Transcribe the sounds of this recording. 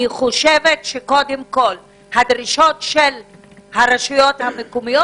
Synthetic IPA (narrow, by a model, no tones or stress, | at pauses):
iχoʃevetʃeko̞demko̞l | hadʁiʃo̞tʃel | haʁeʃujothamekomijo